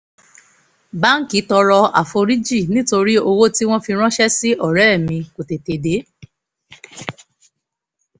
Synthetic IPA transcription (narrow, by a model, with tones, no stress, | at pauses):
ba˦ŋ̩˦ki˨˦tɔ˧ɾɔ˧a̰˨fo˧ɾi˦d͡ʒi˦˨nĩ˨˦to˧ɾi˦o˧wo˦ti˦w̃ɔ̃˦fi˧ɾ̃ɔ̃˦ʃɛ˦si˦ɔ˦˨ɾɛ˨˦˨mĩ˧ko˨te˨te˨de˨˦